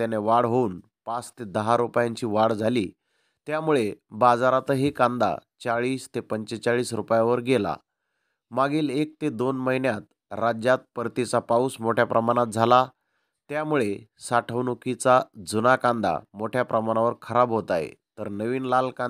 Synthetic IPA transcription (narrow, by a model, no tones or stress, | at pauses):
t̪janeʋaɽɦoun | pat͡st̪ed̪əɦaɾupjãɲt͡ɕiːʋaɽd͡zʱaliː | t̪jamuɭebad͡zaɾat̪əɦikãnd̪a̰t͡saɭiːst̪epəɲt͡ɕet͡saɭiːsɾupjaʋəɾɡela̰ | maɡiːlek̚t̪ed̪onməɦinjat̪ | ɾad͡ʑjat̪̚pəɾt̪it͡sapauːsmoʈʰjapɾʔəmaɽ̃at̪̚d͡zʱala | t̪jamuɭesaʈʰəʋnukit͡sad͡zunakãnd̪a̰moʈʰjapɾəmañaʋəɾkʰəɾabɦot̪ajḛt̪əɾnəʋiːnlalkã